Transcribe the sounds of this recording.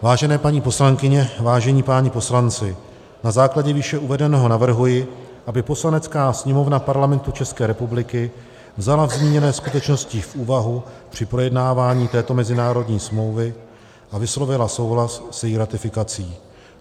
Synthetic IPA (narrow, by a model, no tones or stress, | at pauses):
vaːʒɛnɛːpaɲiːpo̞slaŋkɪɲɛvaːʒɛɲiːpaːɲɪpo̞slant͡sɪ | nazaːklaɟɛviʃɛʔuvɛdɛnɛɦo̞navr̩ɦujɪʔabɪpo̞slanɛt͡skaːsɲɛmo̞vnapaɾlamɛnt̪ut͡ʃɛskɛːɾɛpublɪkɪ | vzalavzɲiɲɛnɛːskut̪ɛt͡ʃno̞scɪfʔuːvaɦupr̝̥ɪpɾo̞jɛdnaːvaːɲiːt̪ɛːt̪o̞mɛzɪnaːɾo̞dɲiːsmlo̞wvɪ | ʔavɪslo̞vɪlaso̞wɦlassjɛjiːɾat̪ɪfɪkat͡siː